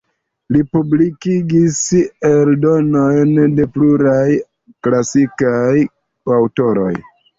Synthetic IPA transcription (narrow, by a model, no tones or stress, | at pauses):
lipublikiɡiseldo̞no̞jnde̞pluɾaj | klasikaj | awto̞ɾo̞̰j